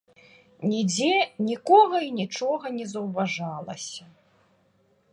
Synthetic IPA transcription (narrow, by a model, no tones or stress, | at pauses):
nʲid͡zʲɛnʲikɔɣɐinʲit͡ʂɔɣɐnʲɛzɐwvaʐalˠɐ̰sʲɐ